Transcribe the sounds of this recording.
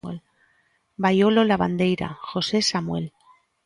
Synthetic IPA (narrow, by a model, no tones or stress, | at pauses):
el | bajo̞lolaβand̪e̞jɾa̰xo̞se̞samwe̞l